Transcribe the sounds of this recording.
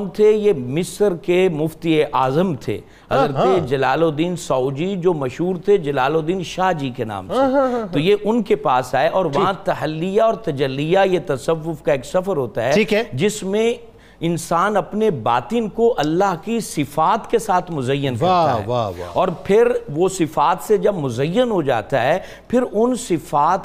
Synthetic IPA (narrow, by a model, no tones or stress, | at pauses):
mt̪ʰejemɪsəɾkemʊft̪ieʔaːzəmt̪ʰḛː | ɦɐzɾəed͡ʒɐlaːlod̪iːnsaːʊd͡ʒid͡ʒoːmɐʃɦuːɾt̪ʰed͡ʒɐlaːlod̪iːnʃaːɦd͡ʒikena̰ːmt̪ʰet̪ojeʔʊnkepaːsaːeʔɔːɾʋɐɦãt̪ɐɦəlːijaɔːɾt̪ɐd͡ʒəlːijajet̪ɐsəʋːʊfkaeːksɐfəɾɦoːt̪aɦɛiːkɦɛd͡ʒɪsmẽ | ɪnsaːnɐpneba̰ːt̪ɪnkoʔɐlːaɦkisɪfaːt̪kesaːt̪ʰmʊzəjːənkɐat̪a̰ɛ̰ʋa̰ɔːɾpʰɪɾʋosɪfaːt̪sed͡ʒɐbmʊzəjːənɦod͡ʒa̰ːt̪aɦɛ | pʰɪɾʊnsɪfaːt̪